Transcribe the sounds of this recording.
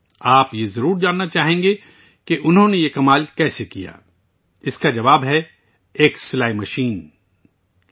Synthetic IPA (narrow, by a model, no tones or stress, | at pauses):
aːpjezɐɾuːɾd͡ʒaːnːat͡ʃaːɦẽːŋɡe | keʔʊnɦõnejekɐmaːlkɛːsekija̰ː | ɪskad͡ʒɐʋaːbɦɛ | eːksɪlaːimɐʃiːn